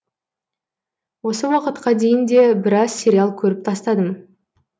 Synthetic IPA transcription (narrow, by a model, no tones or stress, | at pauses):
wo̞səwɑqət̪qɑd̪e̞jɪnd̪e̞bɪɾɑz̥sʲe̞ɾʲialˠkʲʰɵɾɪp̚t̪ʰɑst̪ɑd̪əm